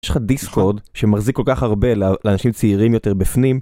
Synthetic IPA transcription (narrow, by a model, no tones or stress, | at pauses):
ʃlχadiskʰoʁdʃemaχzikːo̞lkaχaʁbe̞lleaːnaʃimt͡siiʁimjo̞t̪e̞ʁbifnim